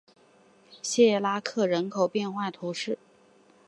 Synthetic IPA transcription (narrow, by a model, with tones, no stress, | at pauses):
ɕɛ˥˧˩la˥kʰɤ˥˩ɻə˧˥nkʰo˨˩ʊpjɛ˥˧nxwa˥˩ɪt̪ʰu˧˥ʂɻ̩˥˩